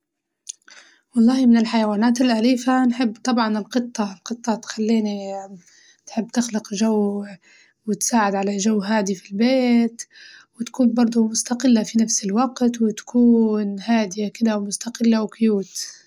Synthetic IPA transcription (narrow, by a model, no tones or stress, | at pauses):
wɑlˤːɑːhmɪnɪlħajawaːnaːt̪ɪlʔaliːfanħɪbːt̪ˤɑbʕɑnɪlqɨt̪ˤːɑlqɨt̪ˤːɑt̪xalːiːni | t̪ħɪbːt̪ɪxlɪqʒawː | wɪt̪saːʕɪd̪ʕalaʒawːɦaːd̪ifilbeːt̪wɪt̪ḁkuːnbɑɾˤd̪ˤʊmʊst̪aqɪlːafinafsɪlwaqt̪wɪt̪ḁkʰuːnhaːd̪ɪjakɪd̪awmʊst̪aqɪlːawkʊjuːt̪